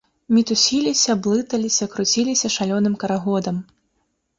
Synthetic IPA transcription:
mʲit̪usʲilʲisʲɐblˠɨt̪ɐlʲisʲɐkɾut͡sʲilʲisʲɐʂalʲɔnɨmkɐɾaɣɔd̪ɐm

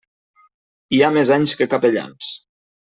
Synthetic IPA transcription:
iamezaɲskəkapeʎa̰ms

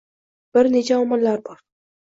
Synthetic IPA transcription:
b̥ɪɾne̞t͡ʃʰaɒmɒnlaɾbɒɾ

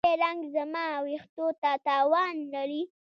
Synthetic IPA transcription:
elaŋɡzamawext̪ot̪at̪ɑwɑnlaɾi

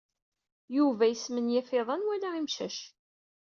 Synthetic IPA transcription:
juvæjəsmənjæfɪðˤɑnwælaimʃæ̰ʃ

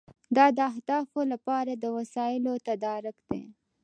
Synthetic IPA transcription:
d̪ɑd̪əahd̪ɑfolapɑɾad̪əwasɑɪlot̪ad̪ɑɾʊkd̪ḛ

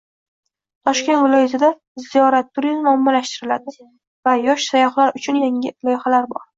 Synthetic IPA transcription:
t̪ʰɒʃkʲe̞nt̪vɪlˠɒjɪzʰad̪a | zijɒɾat̪ʰːʊɾizmɒmːɒlaʃt̪ɪɾɪlad̪ɪ | vajɒʃsajɒχlaɾʊt͡ʃʰʊnjaŋʲɪlˠɒjhalaɾbɒ̰ɾ

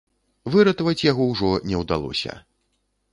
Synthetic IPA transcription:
vɨɾat̪ɐvɐt͡sʲjaɣɔwʐɔnʲɛwd̪alˠɔ̰sʲɐ̰

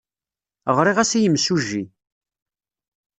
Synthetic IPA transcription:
əʁɾˤiʁæsijəmːsuʒːi

